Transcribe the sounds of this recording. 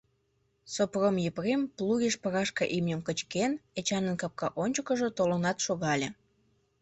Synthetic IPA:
sopromjəprempluɣeʃpəɾɑʃkɑʔimnʲəmkət͡ɕkenet͡ɕɑnənkɑp̚kɑʔonʲt͡ɕəkəʒət̪olonɑt̪ʃoɣɑlʲe

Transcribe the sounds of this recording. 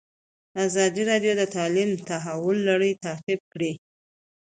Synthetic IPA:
azɑd̪iɾɑɖjod̪ət̪ɑlimt̪aɦawʊlːaɽəjt̪at̪ib̚kɽi

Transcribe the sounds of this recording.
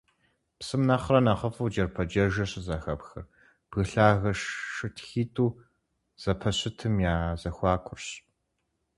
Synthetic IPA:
psɨmnɐχrɐnɐχɐfɐwd͡ʒɐrpʰɐd͡ʒɐʒɐɕzɐxɐpxɐ̰r | b̥ɣɨɬaːɣɐʃːɨtʰxiːtʰʼuː | z̥ɐpʰɐɕɪtʰɨmjaːzɐxʷɑːkʷʰʊrɕ

